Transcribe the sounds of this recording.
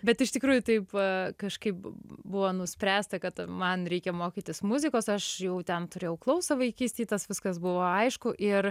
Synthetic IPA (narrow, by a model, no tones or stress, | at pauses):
bʲɛt̪ɪʃt̪ʲɪkɾuːjʊt̪ɐɪpkɐʃkɐɪpbʊʋoːnʊsʲpʲɾʲæːst̪ɐkɐt̪mɐnɾʲɛɪkʲɛmoːkʲiːt̪ʲɪsmʊzʲɪkoːsɐʃjɛʊt̪ʲɛnt̪ʊɾʲeːjɛʊklˠɐʊsɐʋɐɪkʲiːsʲt̪ʲeːt̪ɐsʋʲɪskɐsbʊʋoːɐɪʃkʊʔɪr